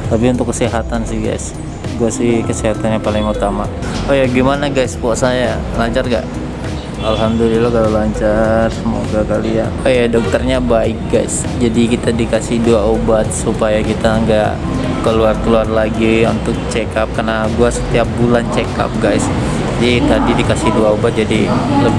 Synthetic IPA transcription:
t̪apiunt̪ʊkːəsiɦat̪ansɪhɡa̰js | ɡuasɪhkəsiɦat̪anɲapalɪŋut̪amaʔ | ojaɡimanaɡajspuaʔsaja | laɲt͡ʃarɡa̰ʔ | alɦamd̪ulilakalalaɲt͡ʃarsəmoɡakaliaojadɔk̚t̪ərɲabaɪk̚ɡajs | d͡ʒadikit̪adikasɪhduaobat̪̚supajakit̪aəŋɡa̰ʔ | kəluarkəluarlaɡiunt̪ʊk̚t͡ʃekap̚karnaɡuasə̥t̪iap̚bulant͡ʃeka̰p̚ɡajs | d͡ʒadit̪adidikasɪhduaobat̪̚d͡ʒadiləb

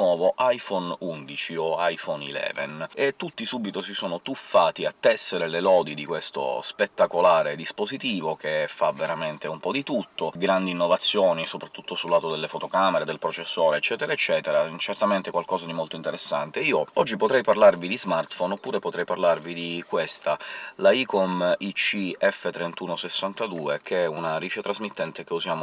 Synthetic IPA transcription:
nwɔːvoʔajfɔnund̪it͡ʃioajfɔnilɛ̰ːvḛnet̪ːut̪ːisubit̪osisoːnot̪ufːaːt̪iat̪ːɛsːeɾelelɔːd̪id̪ikwest̪o̰spet̪ːakolaːɾed̪ispozit̪iːvokefaveɾament̪eumpɔd̪it̪ut̪ʰːoɡɾand̪iːnːovat̪sːjoːnisopɾat̪ːut̪ːosulːaːt̪od̪elːefot̪okameɾed̪elpɾot͡ʃesːoːɾeːt͡ʃːɛːt̪eɾaet͡ʃːɛːt̪eɾat͡ʃert̪ament̪ekwalkɔːzad̪imolt̪oint̪eɾesːa̰nt̪eiːoɔd͡ʒːipot̪ɾɛjparlarvid̪izmart̪fɔnopːuːɾepot̪ɾɛjparlarvid̪ikwest̪alaikɔmit͡ʃiɛfːet̪ɾent̪uːnosesːant̪ad̪uːekʰeɛunaɾiːt͡ʃet̪ɾazmit̪ːɛnt̪ekeuzjaːmo

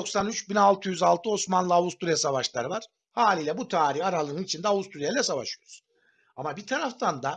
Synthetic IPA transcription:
o̞ksanyt͡ʃbinalˠt̪ʰɯjyzalˠt̪ʰɯo̞smanlˠɯavust̪uɾijasavaʃlˠa̰ɾɯvaɾ̥ | haːlʲiːlʲɛbut̪ʰaːɾihaɾalˠɯnɯnit͡ʃʰind̪ɛavust̪ʰuɾijalʲɛsavaʃyjɾuz̥ | amabit̪ʰaɾaft̪ʰand̪a

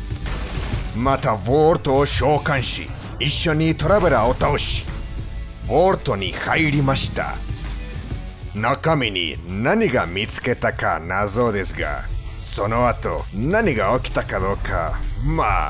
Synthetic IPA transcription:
mat̪ʰaβoɾt̪oʃokanʃḭ | iʃːonit̪ʰoɾabeɾaot̪aoʃi̥ | βoɾt̪onihajɾimaʃi̥t̪a̰ | nakaminḭnaniɡamit͡sɨ̥ket̪akanazod̪esɨɡa̰sonowat̪o̰naniɡaoki̥t̪akaðokʰa̰ma

